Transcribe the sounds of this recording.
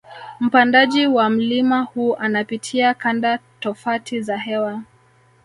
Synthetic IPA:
m̩pandaʄiwam̩limahuːʔanapitʰiakandatɔfatʰizaɦɛwa

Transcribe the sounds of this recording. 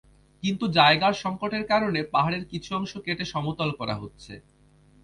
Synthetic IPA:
kint̪ud͡ʑaeɡaɾʃɔŋkoʈeɾkaɾonepaɦaɽeɾkit͡ɕʰuɔŋʃokeʈeʃɔmot̪olkɔɾa̰ɦotːɕʰḛ

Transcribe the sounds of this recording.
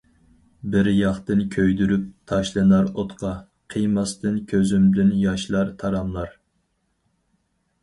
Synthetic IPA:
bɪɾjɑχt̪ɨnkʲʰøjd̪yɾyp̚t̪ʰɑʃlˠɨnɑɾot̪qʰɑ | qʰijmɑst̪ɨnkʲʰøzymblɪnjɑʃlˠɑɾt̪ʰɑɾɑmlˠɑɾ

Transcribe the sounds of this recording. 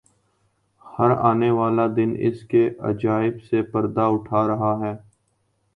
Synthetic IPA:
hɐɾa̰ːneʋaːlad̪ɪnɪ̰skeʔɐ̰d͡ʒaːɪbsepɐɾd̪aʊʈʰaːɾɐɦaɦɛː

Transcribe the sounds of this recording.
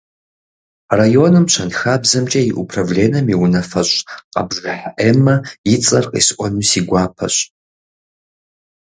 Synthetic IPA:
rajonɨmt͡ʃʷʰɐnxabzɐmt͡ʃʼɐiʔupʰravleːnɐmiwunɐfɐɕʷʼqʼa̰bʒaħaʔemɐjit͡sʼɐrqʼḭsʔʷɔnusiɡʷaːpʰɐ̰ɕʷʼ

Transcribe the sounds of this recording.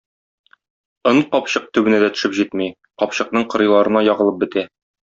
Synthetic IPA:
ɤɴqɒpɕɤq̚t̪ʉbɘ̆næd̪æt̪ɵ̥̆ʃɘpʑit̪mi | qɒpɕɤ̆qnɤɴqɤ̆ɾɤ̆jlˠɑɾɤ̆nɑjɒʁɤ̆lˠɤp̚bɘ̆t̪æ

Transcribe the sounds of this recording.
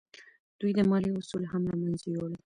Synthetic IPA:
d̪̥ujd̪əmɑliʊsulɦamɾɑmanzijole

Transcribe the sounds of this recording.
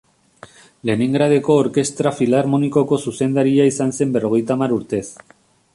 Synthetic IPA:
le̞nĩŋɡɾaðekoːɾke̞st̪ɾafilaɾmonikokosuse̞nd̪aɾiaisansemberoɣjt̪amaɾuɾt̪e̞θ

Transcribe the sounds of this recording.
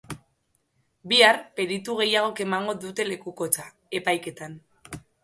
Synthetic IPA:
biarpe̞ɾit̪uɣ̞e̞jaɣ̞o̞ke̞maŋɡo̞ðut̪e̞le̞kuko̞t͡sa | e̞pajke̞t̪an

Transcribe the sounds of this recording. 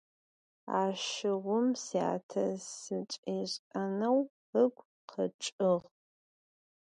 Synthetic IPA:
aːʃɪʁʷʊmsja̰ːtʰɐssɨt͡ʃʼeːɕʼɐnɐw | əɡʷ | qʰɐʈ͡ʂʼɨʁ

